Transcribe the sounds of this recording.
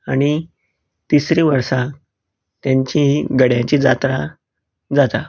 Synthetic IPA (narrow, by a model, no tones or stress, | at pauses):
aɽ̃i | t̪isɾiʋəɾsa | t̪jaɲt͡ɕĩɡəɽjãt͡ɕiːd͡zat̪ɾa | d͡zat̪a